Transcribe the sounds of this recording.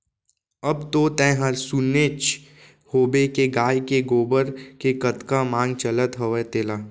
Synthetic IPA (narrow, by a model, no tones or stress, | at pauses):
ɐbt̪ot̪ɛ̃ɦəɾsuneːt͡ʃ | hoːbekeɡaːjkeɡoːbəɾkekət̪kamãːŋɡ̚t͡ʃələt̪ɦɐʋet̪eːlaː